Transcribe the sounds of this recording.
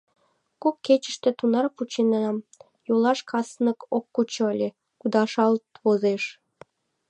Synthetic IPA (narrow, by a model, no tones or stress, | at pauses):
kokːet͡ɕə̥ʃt̪ĕt̪unɑrput͡ɕinɑɑm | jolɑʃkʰɑsnəkokːut͡ɕŏəlʲe | kud̪ɑʃɑlt̪βozeʃ